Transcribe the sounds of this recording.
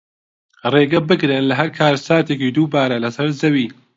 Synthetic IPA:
reːɡɐbɨɡɾenlɐɦɐɾkʰaːɾsaːt̪ekid̪uːbaːɾɐlɐsɐɾzɐwiː

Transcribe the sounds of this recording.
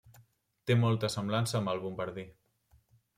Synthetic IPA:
t̪emɔlˠt̪əsəmblansəːmbəlˠβumbəɾði

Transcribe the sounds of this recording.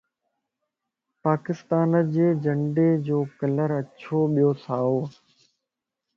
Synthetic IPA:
paːkɪst̪aːnəd͡ʑeːd͡ʑə̃ɳɖeːd͡ʑoːkələɾət͡ʃʰoːɓijoːsaːoː

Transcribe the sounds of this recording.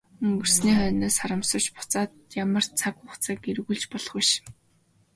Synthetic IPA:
ɵŋɡɵ̆r̥sniːχœːnoːsχaɾə̆msə̆t͡ɕpʊ̥t͡saːt̪jamə̆r̥t͡sʰakʊχt͡saːkerɣuːɮt͡ɕpɔɮɞ̆χujʃ

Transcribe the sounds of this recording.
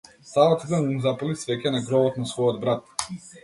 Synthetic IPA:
savat̪id̪anumzapalisvɛcʲɛnaɡɾɔbɔt̪nasvɔjɔd̪bɾat̪̚

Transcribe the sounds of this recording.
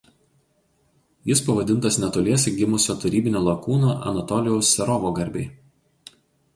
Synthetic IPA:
jɪspɐʋɐd̪ʲɪnt̪ɐsnʲɛt̪oːlʲiɛsʲeɡʲɪmʊsʲoːt̪ɐɾʲiːbʲɪnʲoːlˠɐkuːnoːʔɐ̰nɐt̪ɔlʲɪjɛʊsːʲɛɾɔʋoːɡɐɾʲbʲɛɪ

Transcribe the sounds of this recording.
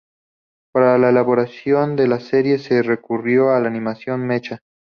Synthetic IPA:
paɾalaelaβo̞ɾasjo̞nd̪e̞lase̞ɾje̞se̞re̞kurjo̞alaːnimasjo̞nmet͡ʃa

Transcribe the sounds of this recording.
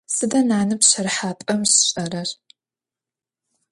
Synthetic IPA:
sɨdɐnaːnɨpɕɐɾħaːpʼɐmɕɕʼɐɾɐr

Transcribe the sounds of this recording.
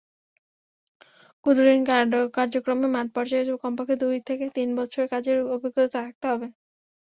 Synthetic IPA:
kud̪uɾinkaɖokaɾd͡ʑokɾomemaʈ̚pɔɾd͡ʑaekɔmpakʰed̪ujt̪ʰeket̪inbɔtːʃʰoɾeɾkad͡ʑeɾobʱiɡɾot̪ot̪at̪ʰak̚t̪eɦɔbe

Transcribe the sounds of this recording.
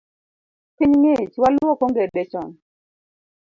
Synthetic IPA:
piɲŋet͡ʃwalwɔkɔŋɡedɛt͡ʃɔn

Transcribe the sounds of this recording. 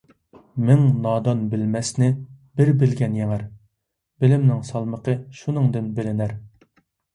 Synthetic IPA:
mɪŋnɑːd̪ɑnbɪlmɛsnɪ | bɪɾbɪlɡʲɛnjɛŋæɾ | b̥ɪlɪmnɪŋsɑlˠməqʰəʃunɨŋd̪ɪnbɪlɪnæɾ

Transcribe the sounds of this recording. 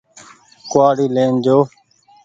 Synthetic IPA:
kʊaːɽiːlẽːnd͡ʒoː

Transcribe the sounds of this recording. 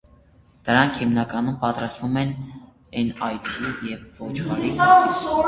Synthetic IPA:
d̪̥əɾɑŋkʰhimnɑkɑnumpɑt̪ɾɑst̪vumɛn | ɛnɑjt͡sʰijɛvːɔt͡ʃʰχɑɾi

